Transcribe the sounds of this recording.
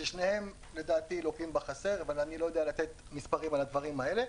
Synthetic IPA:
ʃeʃnehe̞m | le̞d̪aːt̪ilokimbaχase̞ʁvalanilo̞jo̞d̪ealat̪e̞t̪ | mispaʁimalad̪vaʁimae̞le̞

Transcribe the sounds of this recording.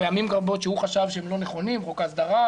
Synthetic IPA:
ejamimɡaʁbo̞tʃeuχaʃavʃeemlo̞neχo̞nimʁokasd̪aʁa

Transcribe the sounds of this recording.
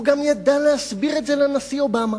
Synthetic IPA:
uɡamjad̪alehasbiʁetzelanasiobama

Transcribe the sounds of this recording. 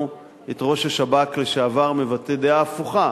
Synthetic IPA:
et̪ʁo̞ʃaʃabakleʃeavaʁmevated̪eaːfuχa

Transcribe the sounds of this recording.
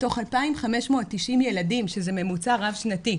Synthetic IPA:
to̞χalpaimχame̞ʃmo̞t̚tːiʃimje̞ladimʃe̞zeme̞mut͡saʁavʃnati

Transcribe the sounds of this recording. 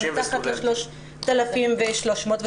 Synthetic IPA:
t̪aχat̪leʃloʃ | t̪alafimveʃloʃmoːt̪ve

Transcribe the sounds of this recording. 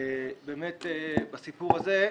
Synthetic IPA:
beːmet̪ebasipuʁaze

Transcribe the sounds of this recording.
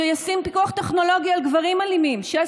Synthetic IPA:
ejasimpikuaχt̪eχno̞lo̞ɡialɡvaʁimalimimʃea

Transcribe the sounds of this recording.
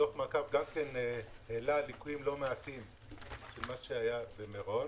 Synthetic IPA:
o̞χmakavɡamkenheːlalikujimlo̞meat̪im | ʃelmaʃeajabemeʁo̞n

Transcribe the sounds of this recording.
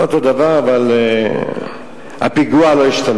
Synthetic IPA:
ot̪o̞d̪avaʁavale | ha̰piɡualo̞iʃt̪an

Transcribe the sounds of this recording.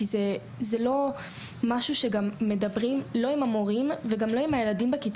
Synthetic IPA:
ize | zelo̞ | maʃuʃe̞ɡamːe̞dabʁimlo̞imamo̞ʁimveɡamlo̞imajeladimbekit

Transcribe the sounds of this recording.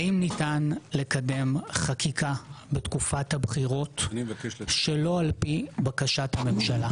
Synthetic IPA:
aimnitanle̞kade̞mχakikʰabetkufathabχiʁo̞t | ʃelo̞alpibakaʃathame̞mʃala

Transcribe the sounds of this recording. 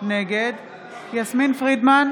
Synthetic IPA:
neɡe̞d̪ | jasminfʁid̪man

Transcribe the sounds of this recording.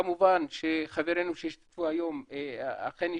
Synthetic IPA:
amubanʃeχaveɾenuʃeʃt̪puajomea̰qeni

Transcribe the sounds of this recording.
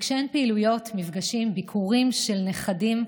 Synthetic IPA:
kʃeenpeilujo̞tmivɡaʃimbikʰuʁimʃe̞lneχadim

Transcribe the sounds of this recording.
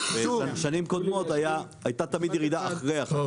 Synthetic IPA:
veaʃanimko̞d̪mo̞t̪ajaː | jt̪at̪amid̪jeʁid̪aʔaχʁeaχ

